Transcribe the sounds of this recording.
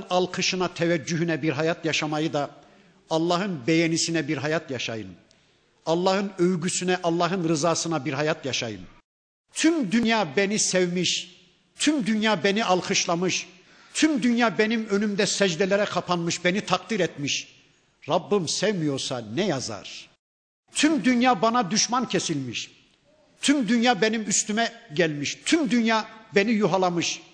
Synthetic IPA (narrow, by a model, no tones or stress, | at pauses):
nɑlˠqʰɯʃɯnat̪ʰɛvæd͡ʒːyɦynɛbiɾɦajat̪jaʃamajɯd̪ɑ | ɑlˠːɑːɦɯnbɛjɛnisinɛbiɾɦajat̪ʰjaʃajɯ̰n | ɑlˠːɑːhɯnøvɡysynɛʔɑlˠːɑːɦɯnɾɯzaːsɯnabiɾɦajat̪ʰjaʃajɯn | t̪ʰymd̪ynjaːbɛnisɛvmiʃ | t̪ʰymd̪ynjaːbɛniʔɑlˠqʰɯʃlˠɑmɯʃ | t̪ʰymd̪ynjaːbenimø̞nymd̪ɛsɛd͡ʒd̪ɛlʲɛɾɛkʰapʰanmɯʃbenit̪ʰak̚d̪iɾɛt̪miʃ | ɾabːɯmsɛvmijo̞ɾsanɛjaza̰ɾ̥ | t̪ʰymd̪ynjaːbanad̪yʃmancʰesilʲmiʃ | t̪ʰymd̪ynjaːbenimyst̪ymɛɟælʲmiʃt̪ʰymd̪ynjaːbenijuɦalˠamɯʃ